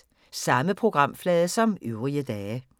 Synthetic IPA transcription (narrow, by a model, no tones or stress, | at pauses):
sɑ̈məpʰʁo̝ɡ̥ʁɑ̈m̰flɛːðˠəsɒ̽myʊʁiəd̥ɛː